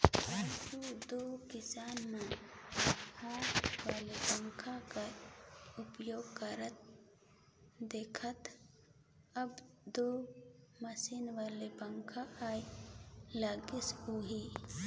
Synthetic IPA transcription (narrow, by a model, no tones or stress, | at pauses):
at͡ʃud̪oːkɪsaːnmẽ | hõːwaːlebə̃ŋkʰaka | ʊpjoːɡkəɾət̪̚ | d̪eːkʰət̪ | əbd̪oːməsiːnʋaːlebə̃ŋkʰaʔaːi | laːɡɪsɦoɦi